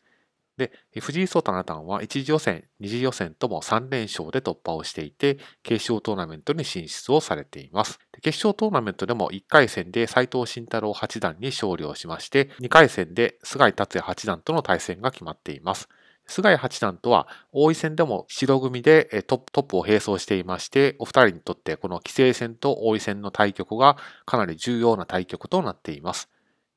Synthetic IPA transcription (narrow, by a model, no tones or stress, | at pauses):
d̪e̞ | eɸɯ̟ʑiːso̞ːt̪onat̪ã̰ɰ̃βaʔit͡ɕiʑijo̞sẽ̞̰ɲɲːiʑijo̞sẽ̞nt̪o̞mo̞̰sãnɾẽ̞ɰ̃ɕo̞̰ːd̪e̞t̪o̞pːao̞ɕi̥t̪e̞it̪e̞ke̞ːɕo̞ːt̪o̞ːnamẽ̞nt̪o̞ɲ̟iɕĩɕt͡sɨo̞saɾe̞t̪e̞imasɨ̥d̪̥e̞ke̞ːɕo̞ːt̪o̞ːnamẽ̞nt̪o̞d̪e̞mo̞̰ʔikːaisẽ̞nd̪e̞sait̪o̞ːɕĩnt̪aɾo̞ːhat͡ɕid̪ãɲ̟ːiɕo̞ːɾʲjo̞ːɕimaɕi̥t̪e̞ɲ̟ikaisẽ̞nd̪e̞sɨɡait̪at͡sɨjahat͡ɕid̪ãnt̪o̞no̞t̪aisẽ̞ŋɡakʲimat̪ːe̞imasɨ̥ | sɨɡaihat͡ɕid̪ãnt̪o̞βa̰o̞ːisẽ̞nd̪e̞mo̞̰ɕiɾo̞ɡɯ̟mʲid̪e̞t̪o̞pːt̪o̞pːɯ̟o̞he̞ːso̞ːɕi̥t̪e̞imaɕi̥t̪e̞o̞ɸɯ̥t̪aɾʲiɲ̟it̪o̞t̪ːe̞ko̞no̞kʲi̥se̞ːsẽ̞nt̪o̞ʔoːisẽ̞nːo̞t̪ʰaikʲo̞kɯ̟ɡakanaɾʲiʑɨːjo̞ːnat̪aikʲo̞kɯ̟t̪o̞nat̪ːe̞imasɨ̥